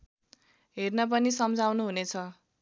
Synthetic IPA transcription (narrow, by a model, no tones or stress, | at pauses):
ɦernʌp̬ʌnisʌmd͡zawnuɦunet͡sʰʌ